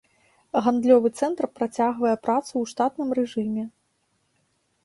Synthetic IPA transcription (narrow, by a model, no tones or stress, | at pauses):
ɣand̪lʲɔvɨt̪sɛnt̪rpɾat͡sʲaɣvɐjɛpɾat̪suwʂt̪at̪nɨmrɛʐɨmʲɛ